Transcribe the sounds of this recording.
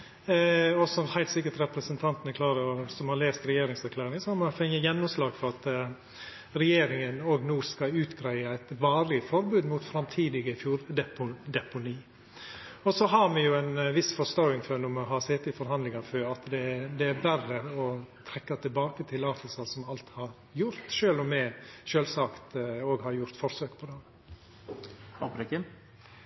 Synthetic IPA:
ɔsɔhæɪlt̪sɪkːəʈ̪ɾɛpɾəsənt̪ʰɑnt̪nɛkʰlɑːɾəɔsɔmhɑɾleːst̪ɾɛjeːɾɪŋsæɾkʰlæːɾɪŋəsɔhɑɾmɑfɛŋəjɛnːʊmslɑːɡfɔɾɑt̪ | ɾɛjeːɾɪŋənoːɡnuːskɑʉːt̪ɡɾæɪəæɪt̪ʋɑːɾlɪəfɔɾbʉːd̪mʊt̪fɾɑmt̪ʰiːd̪ɪɡəɪfjuːɾd̪ɛpʊd̪ɛpʊniː | ɔsɔɦɑɾmɛjʊæɪnʋɪsfɔst̪ɔʊɪŋfønʊmɔɦɑːsɛt̪ːɪfɔɾhɑnd̪lɪŋɑføːɑt̪d̪ɛd̪ɛæɾbærəɔt̪ʰɾɛkːɑt̪ʰɪlbɑːkət̪ʰɪlɑːt̪əl̩səsɔmɑlt̪hɑɾ | jʊɾt̪ʃøːlɔmːɛʃøːlsɑkt̪oːɡhɑɾjʊɾt̪fɔɾsøːkpʰɔd̪ɛm | ɔpɾɛkɪ

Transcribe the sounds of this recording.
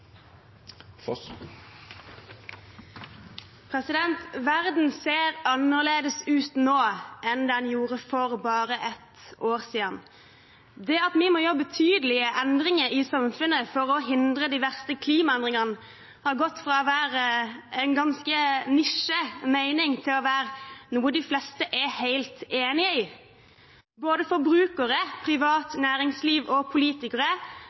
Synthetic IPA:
pʰʁɛsɪd̪ɛnt̪ʋæʁd̪n̩seːɾɑnəʁleːd̪əsʉːt̪noːʔɛnd̪ɛːhɑnjuːʁəfɔʁbɑːɾəʔɛt̪oːʁsiːɑn | d̪ɛɑt̪mɪmoːjɔbːət̪ʰyːd̪əlɪəʔɛnd̪ʁɪŋəɾɪsɑmfʉnːəfɔɾɔɦɪnd̪ɾəd̪ɪʋæʁst̪əkʰliːmɑɛnd̪ʁɪŋənə | hɑɾɡɔt̪ːfʁɑːɔʋæːɾəɛɪnɡɑnskənɪʂːəmæɪnɪŋt̪ʰɪlɔʋæːɾnuːəd̪ɪflɛst̪əʔɛhæɪlt̪eːnɪəɪ | boːd̪əfɔɾbɾʉːkəɾəpʰɾɪʋɑːt̪næːɾɪŋsliːʋɔpʰʊliːt̪ɪkəɾə

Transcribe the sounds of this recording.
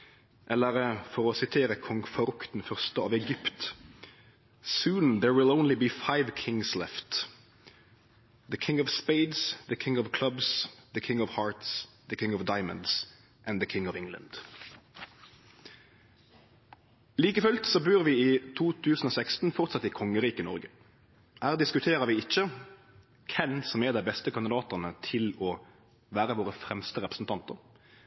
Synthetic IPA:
ʔɛləʁfɔʁoːsɪt̪ʰeːʁəkʰɔŋfɔɾʉkt̪n̩fœʁst̪əɑ̰ːʋɛɡʏpt̪ | sʉːn̩ðəɹwɪlõʊnlɪbiːfaɪʋkʰɪŋslɛft̪ | ðəkʰɪŋɔʋspeɪd̪sðəkʰɪŋɔʋkʰlʌbsðəkʰɪ̃ŋɔʋhɑːɹt̪sðəkʰɪ̃ŋɔʋd̪aɪmə̰nd̪s | ʔæ̃nðəkʰɪŋɔʋɪŋlə̰nd̪̥ | liːkəfʉlt̪sɔbʉːʁʋiːiːt̪ʰuːt̪ʰʉːsn̩oːsækst̪n̩fɔʁt̪sɑt̪ːikʰɔŋːəʁiːkənɔ̰ʁɡə | hæːʁd̪ɪskʉt̪ʰeːʁəʋɪːɪc͡çə | kʰɛnsɔmɛd̪æɪbɛst̪əkɑnd̪ɪd̪ɑːt̪əʁnət̪ʰɪlɔ | ʋæːʁəʋoːʁəfʁɛmst̪əʁɛpʁ̥əsn̩t̪ʰɑnt̪əʁ

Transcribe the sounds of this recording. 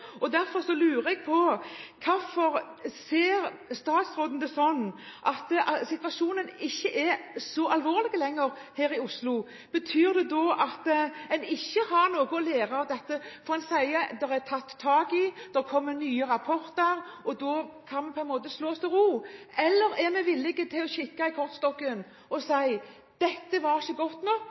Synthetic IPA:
ɔd̪æɾfɔɾsɔlʉːɾəɛɡ̚pʰɔkʰɑfɔɾseːɾst̪ɑːt̪sɾoːd̪n̩d̪ɛsɔnːʔɑt̪sɪt̪ʋɑʂuːnənɪçːəʔɛsɔʔɑlʋoːɾlɪɡəlɛŋːəɾheːɾɪʊslʊ | b̥ət̪ʰyːɾd̪ɛd̪ɔʔɑt̪ɛnɪçːəhɑɾnoːɡʊɔleːɾɑɑʋd̪ɛt̪ːəfɔɾɑnsæɪəd̪ɛɾɛt̪ʰɑt̪ʰːɑːɡɪd̪̥ɛkʰɔmːənyːəɾɑpʰɔɾt̪əɾɔd̪ɔkʰɑnmɛnpʰɔɛnmoːt̪əsloːɔst̪ʰɪlɾuː | ɛlːəɾɛɾmɛʋɪlːɪɡət̪ʰɪlɔɕɪkːɑɪkʰɔʁt̪st̪ɔkːən | ɔsæɪ | d̪̥ɛt̪ːəʋɑɾɪçəɡɔt̪ːnɔkː

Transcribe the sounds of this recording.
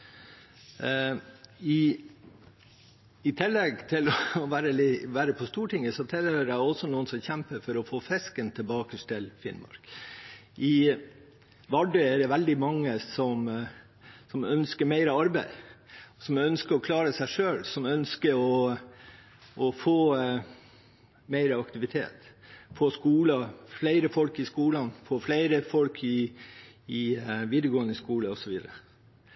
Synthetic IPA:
ɪ | ɪt̪ʰɪlːɛɡt̪ʰɪlɔʋæːɾəlɪʋæːɾəpʰɔst̪uːʈɪŋːəsɔt̪ʰɛləɾæɔsɔnuːənsɔmçɛmpəɾfɔɾɔfoːfɛskənt̪ʰəlbɑːkəʂʈ̪ɪlfɪ̰nmɑ̰ɾk | ʔɪ | ʋɑɖœɛɖɛʋɛld̪ɪmɑŋːəsɔm | sɔmœnskəɾmæɪɾəɑɾbæɪsɔmœnskəɾɔkʰlɑːɾəsæɪʂøːlsɔmœnskəɾɔ | ʔɔfoː | mæɪɾəɑkt̪ɪʋɪt̪ʰḛːt̪foːskuːlɑflæɪɾəfɔlkɪskuːlɑnfoːflæɪɾəfɔlkʰɪ | ɪʋiːd̪əɡoːənəskuːləɔsɔʋiːd̪əɾə

